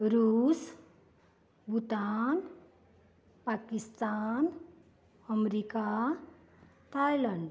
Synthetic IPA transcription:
ɾus | but̪an | pakist̪an | ʌmɾika | t̪ʰajlaɳɖ

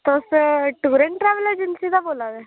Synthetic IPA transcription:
t̪osʈuːɾə̃ɳʈʈɾɛːʋlɛd͡ʒɪnsid̪aboːlad̪ɛ

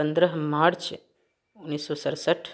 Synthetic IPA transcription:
ənd̪ɾəɦmaɽt͡ʃʰe | unːisosəɾsəʈʰ

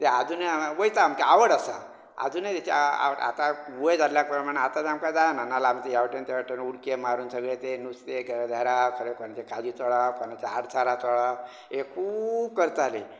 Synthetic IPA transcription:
t̪ead͡zunaʋəjt̪aːmkeaʋəɽasa̰ | a̰d͡zunat̪et͡ɕa̰əɽa̰t̪aʋəjd͡zalljakpɾəmaɽ̃eat̪at̪eamkad͡zananalaamt͡sejaʋʈent̪eʋaʈənuɽkemaɾuːnsəɡɭet̪enust̪eɡʱəd̪ʱaɾakʰəɾekonat͡ɕakad͡ʑʱiːt͡sɔɭawkonat͡ɕaaɽt͡sʰaɾat͡sɔɭaw | ekʰuːb̚kəɾt̪ale

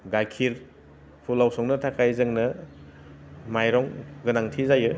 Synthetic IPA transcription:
ɡajkʰiɾ | pʰulːawsɔŋnɯtʰakʰajzɯŋnɐ | majɾɔŋɡɯnaŋtʰizajɯ

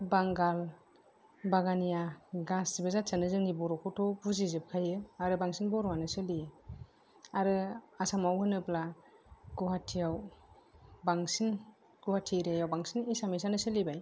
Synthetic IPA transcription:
baŋɡal | baɡanijaɡasdibazatsanɯzɯŋnibɔɾɔkʰutʰɔbuzizɯp̚kʰajɯaɾɯbaŋsinbɔɾɔanɯsɯlijɯ | aɾɯasamawhɯnɯplaɡuɦatʰːijaw | baŋsin | ɡ̥uhatʰiɾejawbaŋsinisamisanɯsɯlibaj

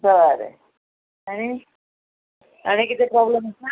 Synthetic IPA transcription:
bəʋaɾḛ | aɽ̃i | aɽ̃ikit̪ʰepɾɔbleməsna

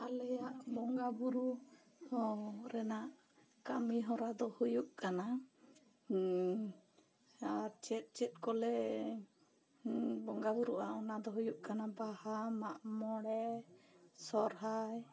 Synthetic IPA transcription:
alɛjaʔbɔŋɡabuɾu | ɾɛnaʔ | kamiɦɔɾad̪ɔhujuʔkana | at͡ʃɛt̪̚ˀt͡ʃɛt̪̚kɔlɛ | bɔŋɡabuɾuʔaɔnad̪ɔɦujuʔkanabahamaʔmɔɽɛ | sɔɾɦaj

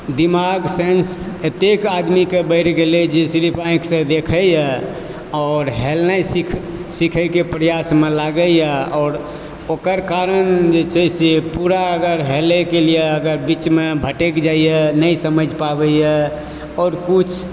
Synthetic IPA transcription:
d̪imaɡsẽns | ət̪ekad̪mikebəɪʈʰɡelɛd͡ʒesiɾipʰãĩksə̃d̪ekʰəjɛ | ɔːɾɦelnajsikʰ | sikʰəjkepɾəjasmelaɡəjɛɔːɾ | okəɾkaɾənd͡ʒet͡ʃʰɛsepuɾaəɡəɾɦelɛkelijeəɡəɾbit͡ʃmebʱəʈekd͡ʒaijɛnəjsəməd͡ʒʱpabəjɛ | ɔːɾkut͡ʃʰ

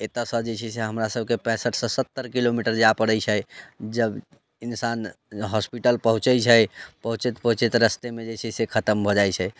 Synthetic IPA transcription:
et̪əsə̃d͡ʒet͡ʃʰɛseɦəmɾasəb̚ʱkepɛ̃səʈʰsɔ̃sət̪ːəɾkilomiʈəɾd͡ʒapəɽɛt͡ʃʰɛd͡ʒəb | insan | ɦɔspiʈəlpəɦũt͡ʃəjt͡ʃʰɛpəɦũt͡ʃet̪pəɦũt͡ʃet̪ɾəst̪emed͡ʒet͡ʃʰɛsekʰət̪əmbʱod͡ʒajt͡ʃʰɛ

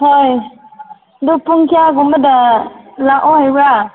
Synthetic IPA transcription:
hoj | dupuŋkʰiaɡumədalaʔɔhajwa

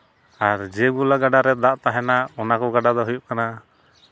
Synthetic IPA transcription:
aɾd͡ʒɛɡulaɡaɖaɾɛd̪aʔt̪aɦɛnaɔnakɔɡaɖad̪ɔɦujuʔ̚kana

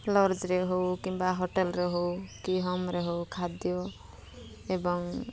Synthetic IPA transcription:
lɔɾd͡ʒɾeɦowkimbaɦoʈelɾeɦowkiɦɔmɾeɦowkʰad̪jɔ | ebɔŋ

